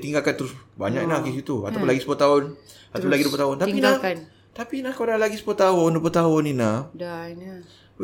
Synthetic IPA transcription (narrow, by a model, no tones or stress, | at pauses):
t̪iŋɡalkant̪əɾʊsba̰ɲaʔknahkəsit̪ua̰t̪awpʊnlaɡisəpət̪aʊn | at̪apːnlaɡidupət̪aʊnt̪apina | t̪apinahkadalaɡisə̥pət̪aʊndupət̪aʊninahdn